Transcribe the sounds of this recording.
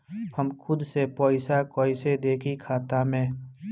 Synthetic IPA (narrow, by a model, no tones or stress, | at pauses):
həmkʰʊd̪sepɔːɪsakɔːɪsed̪eːkʰikʰaːt̪amẽː